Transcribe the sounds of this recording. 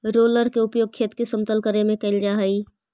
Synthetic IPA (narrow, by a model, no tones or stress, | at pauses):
ɾoːləɾkeʊpjoːɡ̚kʰeːt̪kesə̃mt̪əlkəɾemẽkɐɪld͡ʒaɦəiː